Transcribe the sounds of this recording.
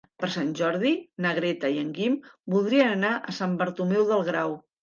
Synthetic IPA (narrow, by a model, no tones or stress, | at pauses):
pəɾsanʲʒɔɾðinəɣɾɛt̪əiəŋɡimbulˠd̪ɾiənənaʔəsambəɾt̪umɛwðəlˠɣɾaw